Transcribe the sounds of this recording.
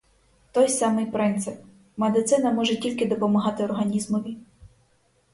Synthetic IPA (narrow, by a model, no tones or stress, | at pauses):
t̪ɔjsɑmɪjpɾɪnt̪sɪp̚ | med̪ɪt̪sɪnɐmɔʒɛtʲilʲkɪd̪ɔpɔmɐɦɑt̪ɪɔrɦɐnʲizmɔʋʲi